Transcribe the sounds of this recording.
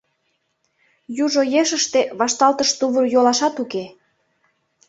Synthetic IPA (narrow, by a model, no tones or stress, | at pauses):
juʒojeʃəʃt̪eβɑʃt̪ɑlt̪əʃt̪uβərjolɑʃɑt̪uke